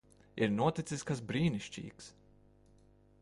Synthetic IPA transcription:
iɾnuɔt̪it̪siskasbɾiːniʃt͡ʃḭːks

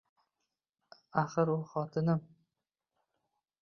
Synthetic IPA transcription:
aχɨɾʊχɒt̪ʰɪnɪm

